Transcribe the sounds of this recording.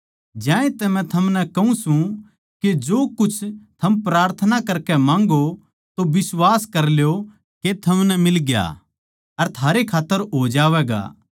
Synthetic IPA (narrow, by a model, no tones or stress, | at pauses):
d͡ʒãːẽt̪ɛmɛ̃t̪ʰɐmnɛkɐũsũ | ked͡ʒoːkʊt͡ʃʰt̪ʰɐmpɾaːɾt̪ʰənakɐɾkɛmãːŋɡo | t̪obɪswaːskɐɾljo | ket̪ʰɐmnɛmɪlɡja̰ | ɐɾt̪ʰaːɾekʰaːt̪ːəɾɦoːd͡ʒaːʋɛːɡa̰ː